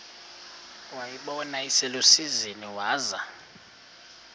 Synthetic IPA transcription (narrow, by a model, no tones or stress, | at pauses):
wajiɓɔnaisɛlosiziniwaːza